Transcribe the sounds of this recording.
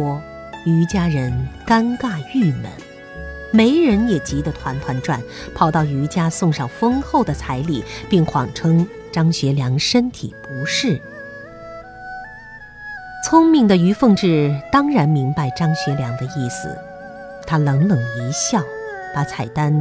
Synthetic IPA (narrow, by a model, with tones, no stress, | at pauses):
y˧˥t͡ɕja˥ɻə˧˥nka˥nka˥˧y˥˩mə̰˧˥n | me˧˥ɪɻə˧˥njɛ˨˩t͡ɕi˧˥d̪ə˧t̪ʰwa˧˥nt̪ʰwa˧˥nʈ͡ʂwa̰˥˩npʰɑ˨˩ʊt̪ɑ˥˩ʊy˧˥t͡ɕja˥sʊ˥˧ŋʂɑ˥˩ʊfɤ˥ŋxo˥˩ʊd̪ə˩t͡sʰa˧˥ɪli˨˩pi˥˩ŋxwɑ̰˨˩ŋʈ͡ʂʰɤ˥ŋ | ʈ͡ʂɑ˥ŋɕɥɛ˧˥ljɑ˧˥ŋʂə˥nt̪ʰḭ˨˩pu˧˥ʂɻ̩˥˩ | t͡sʰʊ˥ŋmi˥˩ŋd̪ə˩y˧˥fɤ˥˧ŋʈ͡ʂɻ̩˥˩t̪ɑ˥ŋɻa˧˥nmi˧˥ŋpa˥˧˩ɪʈ͡ʂɑ˥ŋɕɥɛ˧˥ljɑ˧˥ŋd̪ə˧i˥˩sɹ̩̰˨˩ | t̪ʰa˥lɤ˧˥ŋlɤ˨˩ŋi˧˥ɕjɑ˥˩ʊpa˧˥t͡sʰa˨˩ɪt̪a˥n